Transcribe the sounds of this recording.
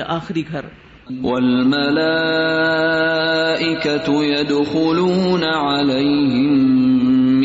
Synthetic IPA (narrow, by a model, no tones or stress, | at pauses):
ʔaːxɪɾiɡʱɐɾ | walmalaː | ʔɪkat̪ʊjad̪xʊluːnaʕalajɦɪmː